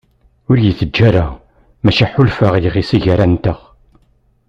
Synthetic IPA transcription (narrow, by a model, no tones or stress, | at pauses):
ʊɾjəθəd͡ʒːæɾa | mæʃiħʊlfəʁjəʁisiʝaɾænt̪əʁ